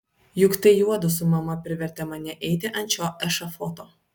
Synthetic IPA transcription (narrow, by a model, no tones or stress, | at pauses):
jʊkt̪ɐɪjuɔd̪ʊsʊmɐmɐpʲɾʲɪʋʲɛɾʲt̪ʲɛmɐnʲɛʔɛɪt̪ʲɪʔɐnʲt͡ʃʲoːʔɛʃɐfoːt̪oː